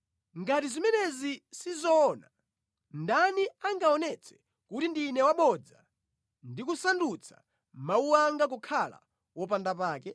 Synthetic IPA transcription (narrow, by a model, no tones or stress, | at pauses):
ŋɡatizimɛnɛzisizɔna | ndaniaŋɡaɔnɛt͡sʰɛ̥ | kutindinɛwaɓɔd͡za | ndikusandut͡sʰḁ̰ | mauwaŋɡak̬ukʰala̰ | wɔpandapaːkɛ